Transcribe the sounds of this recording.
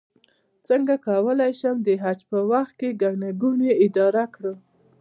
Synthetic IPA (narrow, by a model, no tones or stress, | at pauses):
t͡səŋɡakawəlajʃəmd̪əɦad͡ʒpəwaxt̪̚keɡaɡnaɡuneɪd̪ɑɾakɽə